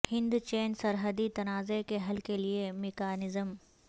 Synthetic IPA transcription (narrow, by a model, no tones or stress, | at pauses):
hɪ̃nd̪t͡ʃeːnsɐɾɦəd̪it̪ɐnaːzekeɦɐlkeliemɪkaːnɪzəm